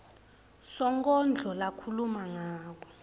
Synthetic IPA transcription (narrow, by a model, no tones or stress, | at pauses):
sɔŋkʼɔnd͡ɮʱɔlakʰulumaŋaːk̬ɔ̥